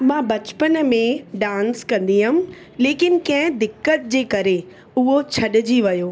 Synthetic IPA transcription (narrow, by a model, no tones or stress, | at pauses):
mãːbɐt͡ɕpənmẽɖãːnskɐ̃nd̪iɦʊm̆ | leːkɪnɪ̆kɐ̃ɦɪ̃d̪ɪkːət̪̚d͡ʑeːkɐɾe | ʊɦot͡ɕʰɐɗɪd͡ʑiʋɐjoː